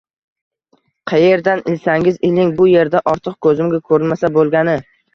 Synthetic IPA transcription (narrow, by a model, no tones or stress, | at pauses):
qʰɑje̞ɾd̪anɪlsaŋʲɪzɪlɪŋbʊje̞ɾd̪aʔɒɾt̪ʰɨq̚kʰɵzɪmɡʲakʰɵɾɪnmasabolˠɡʲanɪ